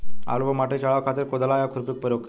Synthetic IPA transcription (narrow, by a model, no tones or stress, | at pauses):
a̰lʋəmaʈet͡ɕaɭaʋkʰat̪iːɾkod̪əlajakʰuɾpik̚pəɾjok